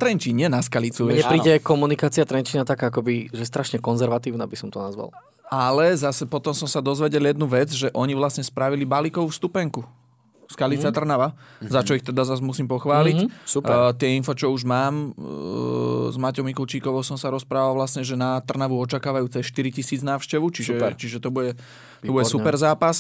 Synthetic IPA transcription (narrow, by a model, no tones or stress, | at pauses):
t̪ɾɛnt͡ʃiːɲɪɛnaskalit͡suɲɛpɾiːɟɛjkɔmunikaːt͡siɪat̪ɾɛnt͡ʃinat̪akaːkɔbiʒɛɛst̪ɾaʃɲɛkɔnzɛɾʋat̪iːʊnabisɔmt̪ɔnazʋa̰l | ʔalɛzasɛpɔt̪ɔmsɔmsad̪ɔzʋɛɟɛljɛd̪̚nuʋɛd͡zʒɛʔɔɲiʋlasɲɛspɾaʋilibalikɔʊfst̪upɛŋku | skalit͡sat̪r̩naʋazat͡ʃɔixt̪ɛd̪azazmusiːmpɔxʋaːlisupɛt̪ɪɛinfɔt͡ʃɔuʒmaːm | zmacɔʊmikult͡ʃiːkɔʋɔʊsɔmsaɾɔspɾaːʋalʋlasɲɛʒɛnat̪r̩naʋuɔt͡ʃakaːʋajuːt͡sɛsʃt̪iɾicisiːd͡znaːʊʃcɛʋut͡ʃisʒɛt͡ʃiʒɛt̪ɔbuɟɛ | t̪ɔbuɟɛssupɛɾzaːpas